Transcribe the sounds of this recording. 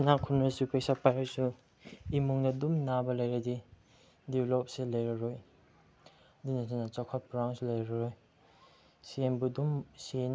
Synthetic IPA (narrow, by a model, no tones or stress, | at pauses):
nakʰunasupʰejsapajasu | imuŋdɐdumnabɐlɐjɾɐdi | diblɔp̚selajɾɐɾoj | dinasanat͡ʃakʰɔt̚pɾawŋslajɾɾaɾoj | sienbudumsen